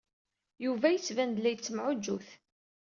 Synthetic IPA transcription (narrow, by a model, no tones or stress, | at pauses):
juvæjət͡sːvænd̪læjət͡sːəmʕʊd͡ʒːuθ